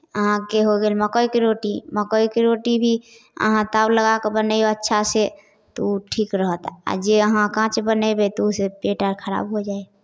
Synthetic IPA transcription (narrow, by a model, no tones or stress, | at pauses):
əɦãkeɦoɡelməkɔjkiɾoːʈiməkɔjkiɾoːʈibʱi | ə̰ɦãt̪aːbləɡakebənəioətːʃʰase | t̪oʈʰiːkɾəɦət̪a̰d͡ʒeəɦãkãːt͡ʃbənebet̪osepeʈəɾkʰəɾa̰ːbɦod͡ʒaːe